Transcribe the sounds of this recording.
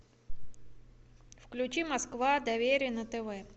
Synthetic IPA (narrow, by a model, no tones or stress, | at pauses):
fklʲʉt͡ɕimɐskvad̪ɐvʲeɾʲɪjənət̪ɛvɛ